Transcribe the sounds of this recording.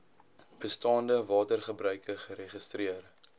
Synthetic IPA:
b̥əstɑːndəvɑːtərχəbɾœɥkəχəɾeχəstriər

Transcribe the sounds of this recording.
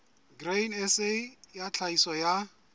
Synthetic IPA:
ɡrenɛsejat͡ɬʰaisɔja

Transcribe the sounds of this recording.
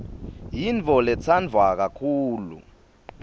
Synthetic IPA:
jint͡fɔlɛt͡sʰand͡vʱwak̬akʰuːlṵ

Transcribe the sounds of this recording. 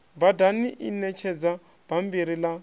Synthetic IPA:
badaniʔinɛt͡ʃʰɛd͡za | b̥am̩biɾila

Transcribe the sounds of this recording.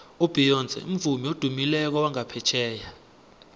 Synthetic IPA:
ob̥ʱijɔnd͡zʱʼɛ̰ṵm̩vumiod̥ʱumilɛk̬ɔwaŋapʰɛt͡ʃʰɛːja

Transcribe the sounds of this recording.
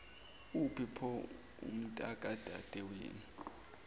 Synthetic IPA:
upʰipʰɔ | ṵm̩tʼakʼad̥ʱad̥ʱɛwḛːni

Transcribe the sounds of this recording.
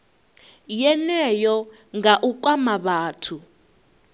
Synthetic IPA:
jɛnɛjɔ | ŋɡaʔuk̬ʼwamaɓaːtʰu

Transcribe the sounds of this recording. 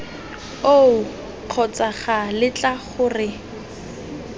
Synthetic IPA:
o | q͡χʰɔt͡saχalɪt͡ɬʼaχʊrɪ

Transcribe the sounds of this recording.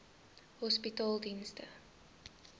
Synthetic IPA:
hɔspitɔlˠdinstə

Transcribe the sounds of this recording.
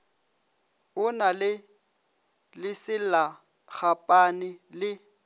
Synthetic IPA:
ʊnalɪ | lɪsɪla | k͡xapʼanɪlɪ

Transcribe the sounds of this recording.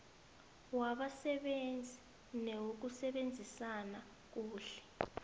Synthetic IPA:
waɓasɛɓend͡zʱi | newuk̬usɛɓend͡zʱisana | k̬uːɬɛ̥

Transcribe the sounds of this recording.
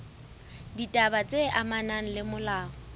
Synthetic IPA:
ditʼabat͡sʼeʔamanan̩lɪmʊlaːɦɔ

